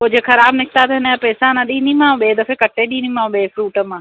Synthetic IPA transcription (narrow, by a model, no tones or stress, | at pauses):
od͡ʒekʰɐɾaːbnɪkʰt̪at̪ɐɦɪnəapɛːsãnɐɗĩːnimãːɓeːd̪ɐfʰekɐʈːeɗiːnimãːɓeːfɾuːʈəmãː